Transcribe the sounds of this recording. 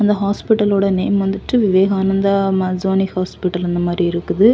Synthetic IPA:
ɐnd̪ɐɦaːspɪʈːɐloːɽɐneːmʋɐnd̪ɯʈːɯʋɪʋeːɣaːnɐnd̪ɐmɐd͡ʒoːnɪhaːspɪʈːɐlɛnd̪ɐmaːd̪ɾiɪɾɯkːɯðɯ

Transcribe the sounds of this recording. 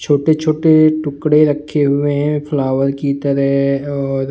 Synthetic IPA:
t͡ʃʰoːʈet͡ʃʰoːʈeʈʊkɽeɾɐkʰːeɦʊeɦɛ̃pʰlaːʋəɾkit̪əɾəɦɔːɾ

